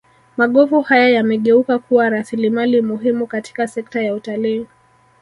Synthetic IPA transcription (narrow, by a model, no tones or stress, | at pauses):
maɠɔvuhajajamɛɠɛukakuwaɾasilimalimuɦimukati̥kasɛk̚tajautaliː